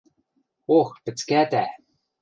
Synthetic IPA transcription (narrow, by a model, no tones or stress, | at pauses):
oxpɘ̆t͡skæt̪æ